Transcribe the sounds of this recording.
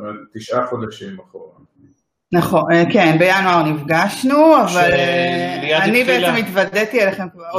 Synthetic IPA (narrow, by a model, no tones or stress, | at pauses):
at̪iʃʔaχodeʃimaχoʁa | naχokenbejanuaʁnifɡaʃnuaval | anibeeemit̪vad̪et̪ielaχe̞mkva